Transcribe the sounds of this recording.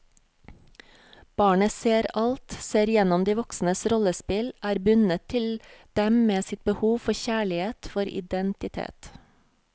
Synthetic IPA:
b̥ɑːɳəseːɾɑlt̪seːɾjɛnɔmd̪iːʋɔksn̩əsɾɔləspɪlʔæːɾbʉnət̪ʰɪld̪̥ɛmmeːsɪt̪̚bəhuːʋfɔçæːɭɪheːt̪fɔɾɪ̰d̪ɛnt̪ɪt̪ʰḛːt̪

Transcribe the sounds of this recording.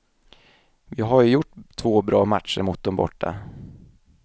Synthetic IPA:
vɪɦajɵjʊʈːt̪ʰvoːbɾɑːmat̪ʂəɾmʊt̪̚d̪ɔmbɔ̰ʈːa̰

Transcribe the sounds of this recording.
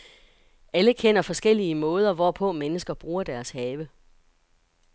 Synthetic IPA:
ʔæləkʰen̰ɐfɒ̽sɡ̥el̰iəmɔ̽ːð̞ˠɐʋɒpʰɔ̽menəsɡ̥ɐb̥ʁuːɐd̥æɐshɛːʋə

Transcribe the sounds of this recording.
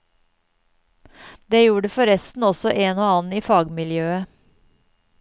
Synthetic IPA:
d̪eːjuːɖəfɔɾɛst̪n̩ɔsɔʔeːnoːɑːnn̩iːfɑːɡmɪljøːə

